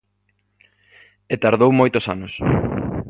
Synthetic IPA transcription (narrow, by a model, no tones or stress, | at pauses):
et̪aɾðowmojt̪ʊsanos